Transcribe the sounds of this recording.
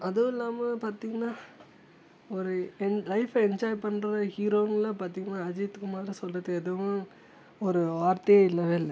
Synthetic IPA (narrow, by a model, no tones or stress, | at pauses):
ɐðɯɪlːaːmɐpaːɾt̪iːŋɡɐnːaː | ɔɾɯɛlɐɪfɛɲd͡ʒaːjpɐɳːɾɐhiːɾoːɪŋɡɐlaːpaːɾt̪iːŋɡɐnːaːɐd͡ʒiɐt̪ːɯkːɯmaːd̪ɾisɔlːɐðɯkɛðɯʋʊ̃ | ɔɾɯʋaːɾt̪ɐjeɪlːɐːʋeɪlːɐ